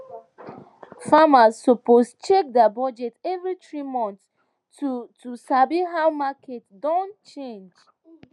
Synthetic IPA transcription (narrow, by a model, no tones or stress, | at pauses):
famazːɔpost͡ʃek̚dabɔd͡ʒɛtɛvɹitɹimɔ̃nt | tutusabiɦawmakʰetdɔ̃ntt͡ʃẽnd͡ʒ